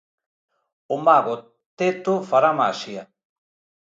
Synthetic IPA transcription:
omaɣo | t̪et̪ofaɾamaʃia

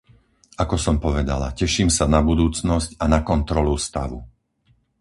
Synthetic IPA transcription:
akɔsɔmpɔʋɛd̪a̰la̰cɛʃiːmsanabud̪uːt͡snɔscanakɔnt̪ɾɔlust̪a̰ʋṵ

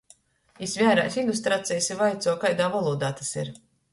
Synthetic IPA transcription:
isvʲæːɾa̰ːsind̪ust̪ɾat̪sʲɛjsivajt̪suɔkajd̪aːvalˠuːd̪aːt̪ḁsḭɾ

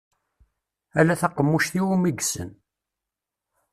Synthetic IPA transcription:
ælæθæqəmːuʃθiwumiɡsə̰n

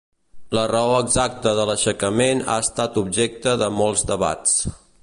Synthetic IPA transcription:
lərəoəɡzak̚t̪əðələʃəkəmena̰əst̪at̪ub̚ʒek̚t̪əðəmɔlˠzd̪əβa̰t͡s

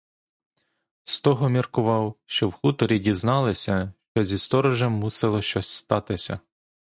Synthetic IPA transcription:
st̪ɔɦɔmʲirkʊʋɑwʃt͡ʃɔwxut̪ɔɾʲidʲiznɑlˠɪsʲɐʃt͡ʃɔzʲist̪ɔɾɔʒɛmːusɪlˠɔʃt͡ʃɔsʲst̪ɑt̪ɪsʲɐ̰

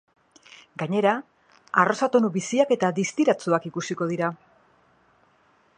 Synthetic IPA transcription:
ɡaɲe̞ɾa | aro̞sat̪o̞nuβisiake̞t̪aðist̪iɾat͡suakikusiko̞ðiɾa

